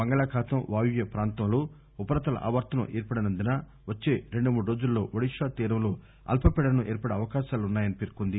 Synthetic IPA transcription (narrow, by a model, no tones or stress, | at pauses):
bɐŋɡɐɭaːkʰaːt̪ɐmʋaːjuʋjɐpɾaːnt̪ɐmloː | upɐɾɐt̪ɐlɐ̰ʔɐ̰ʋɐɾt̪ɐnṵʔeːɾpɐɽɐnɐnd̪inaː | ʋɐt͡ʃːeːɾeɳɖumuːɽuɾo̞ːd͡ʒulːo̞ːʋɐɽiʂaːt̪iːɾɐmlo | ɐ̰lpʰɐpɛɽɐnuʔeːɾpɐɽɐɐʋɐkaːʃaːlunːaːjɐnipeɾkund̪i